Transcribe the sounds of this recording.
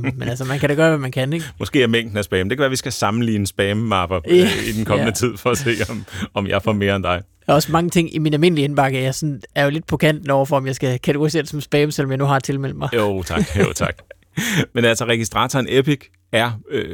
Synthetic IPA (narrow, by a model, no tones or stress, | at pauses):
menæls̬ɐmænkʰæɾ̥ɑɡ̥ɶːɐʋæmænkʰæneɡ̥mɒ̽sɡ̥e̝̰ːæɐmeŋ̰d̥n̩æsb̥ɛːmde̝kʰæʋæːɐʋisɡ̥æsɑ̈mn̩lḭːnəsb̥ɛːməmɑ̈b̥ɐid̥enkʰɒ̽mənət͡sʰið̞̰ˠfɒ̽æse̝̰ːɒmɒ̽mjɑ̈ɪfɒme̝ːɐend̥ɑ̈ɪ | æɒ̽smɑ̈ŋət͡sʰe̝ŋ̰iminælme̝n̰əlienb̥ɑ̈ɡ̥ɐjɑ̈sɒ̽næɐjole̝d̥̚pʰɒ̽kʰæn̰d̥n̩ɒ̰ʊɐfɒɒ̽mjɑ̈ɪsɡ̥ækʰæt͡sʰɪ̥ɡoʁise̝̰ɐd̥̝sɒ̽msb̥ɛːməsel̰ɒ̽mjɑɪnuɦɑ̥̈t͡sʰe̝lmel̰̥mɑ̈ɪjot͡sʰɑ̈ɡ̥o̰t͡sʰɑ̈ɡ̥ | menælsɐʁɛɡ̥isd̥ʁɑ̰ːt͡sʰɒnepʰiɡ̥ | æɐø